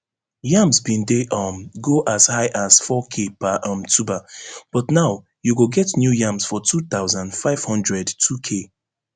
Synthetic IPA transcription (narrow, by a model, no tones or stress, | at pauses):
jãmsbĩndeʔɔmɡoʔashaɪʔasfɔkʰepaʔɔ̃mtʰubab̥ɔtnaʊ | juɡoɡɛtnjujãmsfɔtʰuθaʊzãndfaɪv̥hɔ̃ndɹɛdtʰukʰe